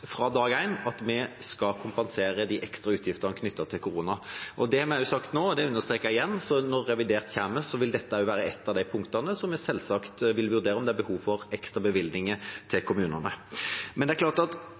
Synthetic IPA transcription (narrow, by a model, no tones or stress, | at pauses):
fɾɑd̪ɑːɡæɪnɑt̪mɛskɑkʰʊmpɑnseːɾəd̪iʔɛkst̪ɾɑʉːt̪ʰjɪft̪əʁnkʰnʏt̪ːət̪ʰɪlkʰʊɾuːnɑʔɔd̪ɛɑmɛjʊsɑkt̪noːd̪ɛʉnːəʁst̪ɾeːkəɾɪjɛnːsɔnɔɾːɛʋɪd̪eːʁt̪çæːməsɔʋɪld̪ɛt̪ːəʊʋæːɾəɛt̪ːɑʋd̪æɪpʰʊŋkt̪ɑnəsɔmːɛsɛlːsɑkt̪ʋɪlʋʉʁd̪eːɾəɔmd̪ɛæɾbəhuːʋfɔʁɛkst̪ɾɑbəʋɪld̪nɪŋət̪ʰɪlkʰʊmʉːnənəmɛnɛæɾklɑːʁt̪ɑt̪